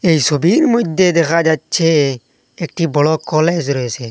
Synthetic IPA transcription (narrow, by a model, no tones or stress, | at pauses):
eːisɔbʱiːɾmʊd͡ʒd̪ed̪eːkʰaːd͡ʒaːt̪t͡ʃʰe | eːk̚ʈʰiːbɔɽoːkɔːleːd͡ʒɾɔeːseː